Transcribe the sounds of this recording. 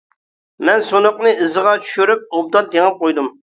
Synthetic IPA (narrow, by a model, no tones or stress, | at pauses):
mɛnsonʊqnɨʔɨzəʁɑt͡ʃʰy̥ʃyɾyp̚ob̚d̪ɑnd̪eŋɪp̚qojd̪um